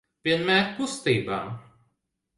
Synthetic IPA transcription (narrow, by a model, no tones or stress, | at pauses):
ʋʲiɛnmʲæt̪pʊst̪ɐɪba